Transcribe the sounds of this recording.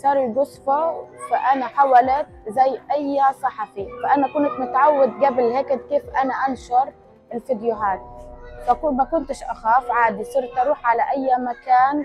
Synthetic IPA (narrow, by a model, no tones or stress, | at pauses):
sˤɑːɾiɡʊsˤfafaʔanaħawalat̪̚zajːʔajːasˤɑħafifaʔanakʊnt̪mʊt̪ʕawːad̪ɡabɪlheːkɪd̪keːfʔanaʔanʃɑɾˤ | ɪlfid̪jʊɦaːt̪̚fakmakʊnt̪ɪʃʔaxaːfʕaːd̪isˤɨɾt̪ʔɑɾˤuːħʕalaʔajːamakaːn